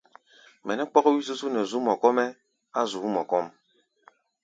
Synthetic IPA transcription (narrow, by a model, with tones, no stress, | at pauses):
mɛ˨nɛ˦k͡pɔ˦ɣɔ˦wi˦s̬u˦su˦nɛ˨zu˦mɔ˨kɔ˦mɛ˦ | a˦zu˨˦mɔ˨kɔ˦m